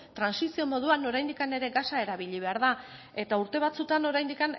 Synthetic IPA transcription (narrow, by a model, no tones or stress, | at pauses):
t̪ɾansisio̞mo̞ð̞uano̞ɾajnd̪ikane̞ɾe̞ɡasae̞ɾaβiʎiβe̞aɾða | e̞t̪auɾt̪e̞β̞at͡sut̪ano̞ɾajnd̪ikan